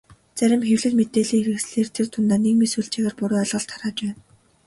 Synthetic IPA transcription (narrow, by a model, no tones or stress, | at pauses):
t͡sæɾʲɪ̆mxewɮɘ̆ɮmet̪eːɮiːŋeɾɘ̆ksɮeːrt̪ʰer̥t̪ʰʊnt̪aːnekmisujɮt͡ɕʰĕɣeːrpʊɾʊːœɮʁə̆ɮt̪ʰaɾaːt͡ɕpæːn